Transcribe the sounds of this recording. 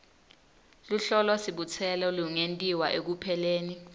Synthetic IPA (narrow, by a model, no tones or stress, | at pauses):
luɬɔlasiɓut͡sʰɛlɔluŋentʼiwaʔek̬upʰɛleːni